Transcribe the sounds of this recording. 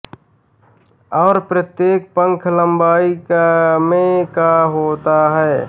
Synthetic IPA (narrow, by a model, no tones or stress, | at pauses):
ɔːɾpɾət̪jeːk̚pə̃ŋkʰlə̃mbaːikmẽkaɦoːt̪aɦɛː